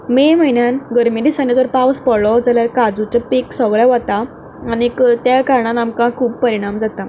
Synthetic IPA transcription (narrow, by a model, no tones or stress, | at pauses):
meməiɳjanɡəɾmid̪isãnid͡zɔɾpaʋspəɽɭɔd͡zaljaɾkad͡zut͡sɔpiksəɡɭjaʋat̪a | añikt̪jakaɾɳãnamkãkʰuːpːəɾiɽ̃amd͡zat̪a